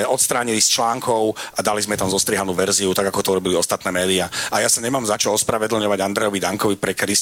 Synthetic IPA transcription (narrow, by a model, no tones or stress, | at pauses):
ɔt̪st̪ɾaːɲilist͡ʃlaːŋkɔʊad̪alizmɛt̪amzɔst̪ɾiɦanuːʋɛɾziut̪aɡakɔt̪ɔuɾɔbiliɔst̪at̪nɛːmɛːd̪iaajasaɲɛmaːmzat͡ʃɔɔspɾaʋɛd̪l̩ɲɔʋaɟand̪ɾɛjɔʋid̪aŋkɔʋipɾɛkɾis